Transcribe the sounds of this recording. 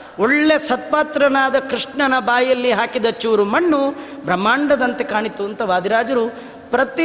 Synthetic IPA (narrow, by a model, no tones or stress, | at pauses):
oɭːesɐt̪̚paːt̪ɾɐnaːd̪ɐkɾiʂɳɐnɐbaːjɐlːiɦaːkid̪ɐt͡ʃuʋɾumɐɳːubʱɾɐmːaːɳɖɐd̪ɐnt̪ekaːɳit̪ːuɐnt̪ɐʋaːd̪ʱiɾaːd͡ʒɐɾu | pɾɐt̪i